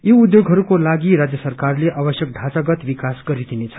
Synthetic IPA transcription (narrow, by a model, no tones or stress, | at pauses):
jiud̪joɡɦʌɾukolaɡiɾad͡zjʌsʌrkarleʔabʌsjʌk̚ɖʱat͡saɡʌt̪bikasɡʌɾid̪inet͡sʰʌ̥